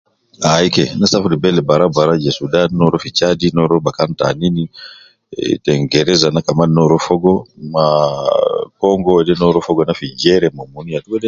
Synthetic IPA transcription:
aikɛnasafudibɛlɛbaɾabaɾad͡ʒesudannɔɾɔfit͡ʃadinɔɾɔbakanta̰nini | tɛŋɡɛɾɛzanakamannɔɾɔfɔɡɔma | kɔŋɡɔɛdɛnɔɾɔfɔɡɔnafid͡ʒɛɾɛmomunijatukɛdɛ

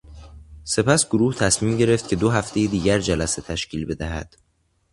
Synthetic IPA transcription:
se̞pæsɡoɾuːht̪ʰæsmiːmɟe̞ɾe̞ft̪̚cʰe̞d̪oɦæft̪ʰe̞jed̪iːɟæɾd͡ʒælæset̪ʰæʃcʰiːlbe̞d̪æɦæ̰d̪̥

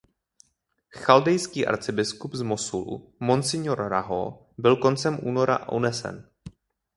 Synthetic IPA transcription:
xaldɛjskiːʔa̰ɾt͡sɪbɪskubzmosulṵmonsɪɲoɾɾaɦo̰ | bɪlko̞nt͡sɛmʔuːno̞ɾa̰ʔṵnɛsɛ̰n

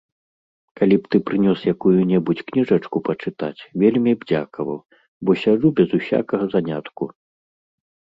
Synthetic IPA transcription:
kalʲipt̪ɨpɾɨnʲɔsjakujunʲɛbut͡sʲknʲiʐɐt͡ʂkupɐt͡ʂɨt̪a̰t͡sʲvʲelʲmʲibd͡zʲa̰kɐvɐ̰w | bɔsʲaʐubʲɛzusʲa̰kɐɣɐzanʲa̰t̪ku

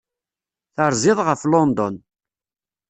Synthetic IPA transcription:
θəɾˤzɪðˤʁəflɔnd̪ɔn

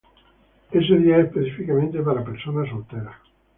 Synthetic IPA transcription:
es̬edjɛespet͡ʃifikament̪epaɾapeɾsoːnas̬olt̪ɛːɾa

